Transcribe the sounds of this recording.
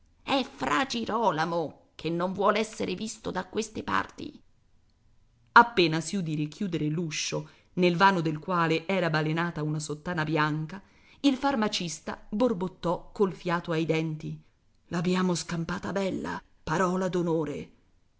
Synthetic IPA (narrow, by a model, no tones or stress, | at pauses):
ɛfɾad͡ʒiɾɔːlamo | kʰenːoɱvwɔːleɛsːeɾʔevist̪od̪akwest̪epa̰rt̪ḭ | apːeːnasiud̪iːɾek̟juːd̪eɾeluʃːo | nelvaːnod̪elkwaːleʔɛːɾabalenaːt̪aunasot̪ːaːnabjaŋka | ilfarmat͡ʃist̪aborbot̪ːɔkːolfjaːt̪oajd̪ɛnt̪i | labjaːmoskampaːt̪abɛlːa̰ | paɾɔːlad̪onoːɾḛ